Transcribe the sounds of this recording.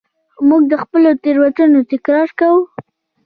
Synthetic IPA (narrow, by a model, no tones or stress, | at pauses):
muɡ̚d̪əxpəlot̪eɾwatunot̪ɪkɾɑɾkawu